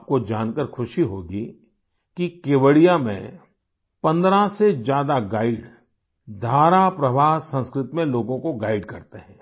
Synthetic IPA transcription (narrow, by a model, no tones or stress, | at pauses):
p̚kod͡ʒaːnkəɾxʰʊʃiɦoːɡi | kikeːʋəɽijamḛ̃ | pɐ̃nd̪ɾased͡ʒjaːd̪aɡaːɪɖ | d̪ʱaːɾapɾɐʋaːɦsə̃nskɾɪt̪mẽloːɡõkoɡaːɪɖkɐɾt̪eɦɛ̃ː